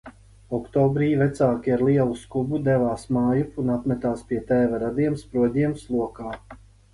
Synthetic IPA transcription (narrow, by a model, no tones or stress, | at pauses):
ɔkt̪ɔːbɾiːvɛt̪saːkʲiaɾlˠiɛlˠuskubud̪ɛvaːsmaːjupunat̪mʲɛt̪aːspʲiɛt̪ɛːvaɾad̪iɛmspɾuɔd̪ʲiɛmslˠuɔkaː